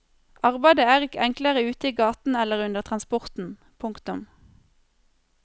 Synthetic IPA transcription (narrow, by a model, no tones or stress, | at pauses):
ʔɑʁbæɪd̪əæːʁɪkəʔɛŋkləʁəʉːt̪əiːɡɑːt̪n̩ɛləʁʉnd̪əʁt̪ʰʁɑnspɔʁt̪n̩ | pʰʊŋkt̪ʊm